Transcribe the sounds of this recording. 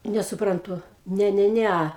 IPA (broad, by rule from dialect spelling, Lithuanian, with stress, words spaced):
nʲɛsʊˈprɐntʊ ˈnʲɛ ˈnʲɛ ˈnʲɛ